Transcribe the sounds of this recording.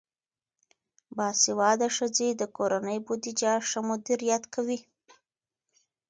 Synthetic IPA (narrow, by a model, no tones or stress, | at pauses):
bɑsɪwɑd̪aʂəd͡zed̪əkoɾanəjbud̪id͡ʒaʂəmʊd̪iɾjɑt̪kʰawi